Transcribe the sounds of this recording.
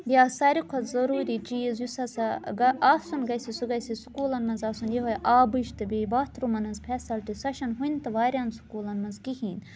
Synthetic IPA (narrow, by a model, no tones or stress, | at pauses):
bʲjaːsɐɾikʷʰɐt̪zɐɾuːɾit͡ʃijezjusɐsɐɡɐaːsunɡɐjsisuɡɐsisu̥kuːlɐnmɐnzaːsunjeɦojʔaːbɨʃt̪ɨbeːbat̪ʰɾumɐnɐzpʰɛsɐlʈ̪isɐʃɐnɦuint̪ɨʋaːɾʲjansu̥kuːlɐnmɐzɡihiːn